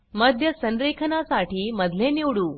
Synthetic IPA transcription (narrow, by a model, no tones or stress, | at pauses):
məd̪ʱjəsənd̪ɾekʰənasaʈiːməd̪ʱleniwɽuː